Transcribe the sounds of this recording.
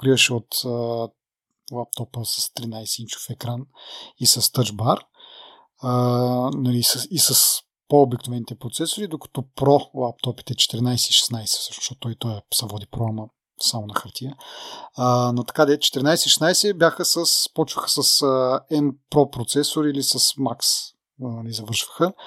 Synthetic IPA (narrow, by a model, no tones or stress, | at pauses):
pokɾivəʃɛot̪ə | lˠap̚t̪ɔpəsɐst̪ɾinajsɛint͡ʃo̥fɛkɾanisɐst̪əd͡ʒbaɾ | ənɐlisəisəs | poobɛknovɛnit̪ɛpɾot̪sɛsoɾid̪okɐ̥t̪ɔpɾɔlˠap̚t̪ɔpi̥t̪ɛt͡ʃɛ̥t̪ɛɾinajsɛiʃɛ̥snajsɛ̥sɤ̥ʃnoʃt̪ɔt̪t̪ːɔit̪ɔjɐsɛvɔd̪ipɾɔamə | samonɐxɐɾt̪ʲiəənɐt̪ɐ̥kad̪ɛt͡ʃɛ̥t̪ɛɾinajsɛʃɛ̥snajsɛbjaxəsəspɔt͡ʃvəxə̥sɐsəɛnpɾɔpɾot̪sɛsʊɾilisɐsmaks | nɐlizɐvɤɾʃvə̥xə